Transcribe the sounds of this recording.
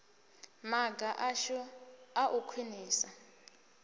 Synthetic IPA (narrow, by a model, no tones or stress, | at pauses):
maɡaʔaʃuaʔukʰwiniːsa